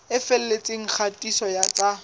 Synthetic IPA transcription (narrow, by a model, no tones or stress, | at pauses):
ɪfɛl̩let͡sʼeŋ̩k͡xʰatʼisɔjat͡sʼa